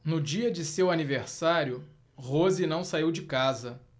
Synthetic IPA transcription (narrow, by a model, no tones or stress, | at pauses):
nʊd͡ʒiɐd͡ʒɪsewaniveɾsaɾjʊ | ʁozinɐ̃w̃saiwd͡ʒɪkazɐ